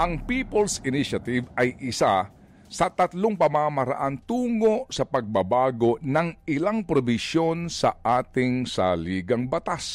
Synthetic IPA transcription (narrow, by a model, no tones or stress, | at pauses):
ʔɐŋpiːpolsɪniʃɐt̪ɪvɐjʔɪsa | sɐt̪ɐt̪loŋpɐmamɐɾɐ̰ʔant̪uːŋo̞sɐpɐɡ̚bɐbaːɡo̞nɐŋʔɪlaŋpɾobɪʃjo̞nsɐ̰ʔaːt̪ɪŋsa̰liːɡɐŋbɐt̪as